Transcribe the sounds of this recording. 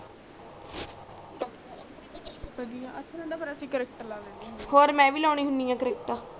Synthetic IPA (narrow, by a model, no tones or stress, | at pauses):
pəd̪ijãət̪ʰːɾə̃ɳɖaːpəɾəsĩːkəɾek̚ʈəɾlaːleːnihoːɾmɛ̃ːʋiːlaːɳ̃iːɦʊnijãːkəɾeːk̚ʈaː